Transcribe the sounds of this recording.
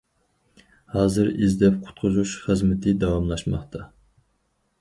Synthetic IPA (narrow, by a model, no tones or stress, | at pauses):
hɑːzɨɾizd̪ɛp̚qʰʊ̥t̪̚qʰʊzuʃχəzmɪt̪ʰɪd̪ɑwɑmlˠɑʃmɑ̰χt̪ʰɑ